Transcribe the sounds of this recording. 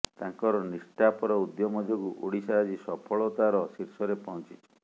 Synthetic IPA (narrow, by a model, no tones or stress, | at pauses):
t̪aŋkɔɾɔnisʈapɔɾɔud̪jɔmɔd̪ʱɔkuʔoɽisaɾad͡ʒisɔpʰɔɭɔt̪aɾɔsiɾsɔɾepɔɔ̃nt͡ʃit͡ʃʰɔ̥